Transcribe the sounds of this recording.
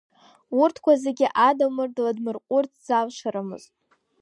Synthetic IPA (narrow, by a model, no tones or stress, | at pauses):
urtʰkʷʰazeɡʲɪʔadamɨrdladmɨrqʷʼʊrt͡sʰzalʃaɾamɨ̰ztʼ